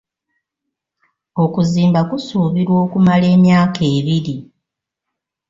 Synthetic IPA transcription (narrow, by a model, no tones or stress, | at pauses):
o̞kuziːmbakusuβiɾwo̞ːkumale̞ːmjaːkʰe̞ːβiɾi